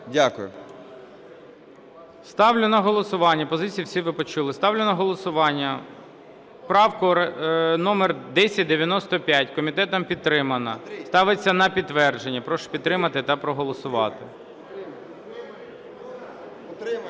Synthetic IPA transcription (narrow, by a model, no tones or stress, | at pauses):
dʲakʊjʊ̰ | st̪ɑwlʲʊnɐɦɔlˠɔsʊʋɑnʲːɐpɔzɪt͡sʲijiwsʲiʋɪpɔt͡ʃulˠɪst̪ɑwlʲʊnɐɦɔlˠɔsʊʋɑnʲːɐ | pɾɑwkʊɾnɔmerd̪ɛsʲɐt̚ʲd̪eʋʲjɐnɔst̪ɔpʲjatʲkɔmʲit̪ɛt̪ɔmpʲid̪t̪ːɾɪmɐnɐst̪ɑʋɪt͡sʲːɐnɐpʲid̪t̪ːʋɛrd͡ʒenʲːɐpɾɔʃpʲid̪t̪ɾɪmɐt̪ɪt̪ɐpɾɔɦɔlˠɔsʊʋɑt̪ɪ